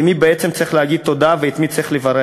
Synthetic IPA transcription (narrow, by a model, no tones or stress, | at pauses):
mibeet͡semt͡sʁiχlehaɡid̪̚t̪o̞d̪aveit̪mit͡sʁiχlevaɾe